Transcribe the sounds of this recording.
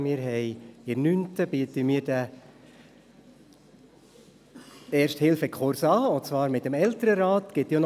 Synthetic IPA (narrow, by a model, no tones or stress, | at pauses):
mɪːɾɦɛɪɪrnyntəb̥iətəmiːɾd̥ə | eːɾʃthɪlfəkʰχʊɾsɑːʊt͡svɑːɾmɪtəmɛltəɾəɾaːt̪ɡ̥ɪtjon